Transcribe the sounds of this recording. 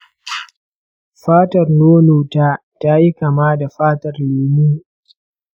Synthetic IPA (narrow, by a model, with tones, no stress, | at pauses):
ɸaː˦tɐ˨rnoː˦noː˨taː˦ | ta˦ji˦ka˨maː˦da˨ɸaː˦tɐ˨rleː˨ni˦